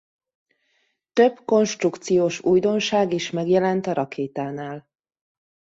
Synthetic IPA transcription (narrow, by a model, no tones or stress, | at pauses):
t̪ø̞bko̞nʃt̪rukt̪sijoːʃuːjd̪o̞nʃaːɡiʃmɛɡjɛlɛnt̪ɒɾɒkʰeːt̪aːnaːl